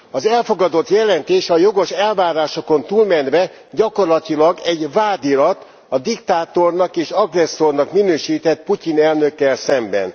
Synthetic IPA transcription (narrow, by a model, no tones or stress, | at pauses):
ɒzɛlfo̞ɡɒd̪o̞t̪jɛlɛnt̪eːʃɒjo̞ɡo̞ʃɛlvaːɾaːʃo̞ko̞nt̪uːlmɛnd̪vɛ | ɟɒko̞rlɒt̪ilɒɡɛɟvaːd̪ilɒt̪ | ɒd̪ikt̪aːt̪o̞rnɒkeːʃɒɡrɛsːo̞rnɒkminøːʃiːt̪ɛt̪̚pucinɛlnø̞kːɛlsɛmbɛ̰n